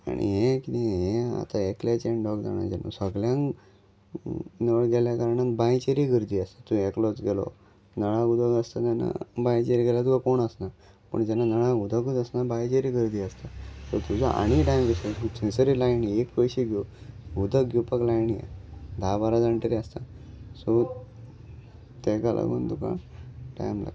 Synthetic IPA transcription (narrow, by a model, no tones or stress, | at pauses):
a̰ɽ̃ḭɦɛ̃kiniɦɛ̃a̰t̪aeklat͡ɕeɳɖɔɡd͡za̰ɽ̃a̰jd͡ʑɛ̰no̰səɡljãŋ | nəɭɡɛljakəɾɳanbajt͡ɕeɾiɡʱəɾd̪iːəst̪at̪ũeklɔt͡sɡɛlɔ̰ | nəɭãɡud̪ʱəɡəst̪at̪ɛnːa̰bajt͡ɕeɾiɡɛlat̪uɡakoɳəsna | pə̰ɳd͡ʑɛnːanəɭãɡud̪ʱəɡud̪əsnabajt͡ɕeɾiɡʱəɾd̪iːəst̪asɔt̪ud͡zaʔa̰ɽ̃iʈajmʋiseusʰesəɾilajniekpəjɕiɡuɡud̪ʱəkɡupəklajniḛd̪ʱabaɾad͡zəɳʈəɾiast̪a | sɔ | t̪eɡalʔa̰ɡə̰nt̪uka̰ʈa̰jmla̰ɡ